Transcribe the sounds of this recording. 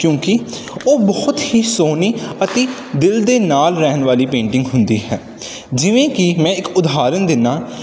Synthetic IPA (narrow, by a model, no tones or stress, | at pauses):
kjõːkɪ | oːbɔːt̪hiːsoːniːət̪eː | d̪ɪld̪eːnaːlɾɛːnʋaːliːpẽːɳʈɪ̃ŋɡɦʊnd̪ḭːɦɛː | d͡ʒɪʋẽːkɪmɛ̃ːɪkʊd̪aːɾənd̪ɪnːaː